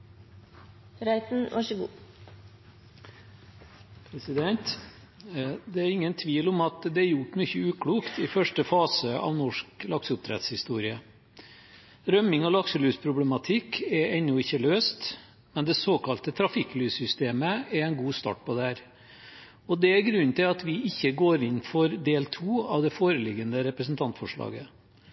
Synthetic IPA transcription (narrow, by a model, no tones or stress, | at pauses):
ɾæɪt̪n̩ʋɑʂəɡṵː | pʰɾɛsɪd̪ɛnt̪ | d̪ɛæɾɪŋːənt̪ʰʋiːlɔmɑt̪d̪ɛæɾjʊʈːmyːçəʉːkʰɽuːkt̪ɪfœʂʈəfɑːsəɑ̰ʋnɔʂklɑksəʊp̚t̪ʰɾɛ̰t̪shɪst̪uːɾɪə | ɾœmɪŋɔlɑksəlyːspʰɾʊblɛmɑt̪ʰɪkːɛɾɛnːʊɪçːəløːst̪ | mɛnd̪ɛsoːkɑlt̪ət̪ʰɾɑfɪkːlyːsʏst̪eːməɛɾɛnɡuːst̪ɑ̰ːʈ̚pʰɔd̪ɛhæːɾ | ɔd̪ɛæɾɡɾʉnt̪ɪlɑt̪ʋɪɪçːəɡoːɾɪnːfɔɾd̪eːlt̪ʰuːɑʋd̪ɛfoːɾəlɪɡənəɾɛpɾəsnt̪ʰɑnt̪fɔʂɭɑ̰ːɡə